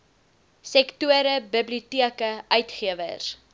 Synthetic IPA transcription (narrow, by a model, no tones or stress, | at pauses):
sɛktuəɾəbəbliutiəkəœɥtχiəvə̰r